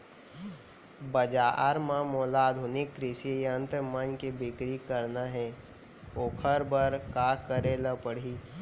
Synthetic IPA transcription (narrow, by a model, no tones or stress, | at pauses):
bəd͡ʒaɾmãmoːlaːd̪ʱʊnɪkːɾɪsijə̃nt̪ɾmənkebɪkɾikəɾnaɦɛ | oːkʰəɾbəɾkaːkəɾeləpəɽ̤i